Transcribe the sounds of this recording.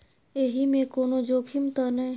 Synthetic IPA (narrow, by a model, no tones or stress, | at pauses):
eɦimẽkoːnod͡ʒoːkʰɪmt̪ənɐ